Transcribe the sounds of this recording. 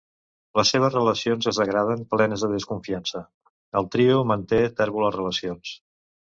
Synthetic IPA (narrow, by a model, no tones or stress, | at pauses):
ləsːeβ̞əzrələsionzəzəɣɾað̞əmplɛnəzðəðəskuɱfiansə | əlˠt̪ɾiumənt̪et̪ɛɾβulərələsions